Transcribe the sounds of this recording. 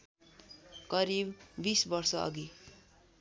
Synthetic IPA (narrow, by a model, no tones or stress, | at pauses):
kʌɾibːisbʌrsʌʌ̰ɡi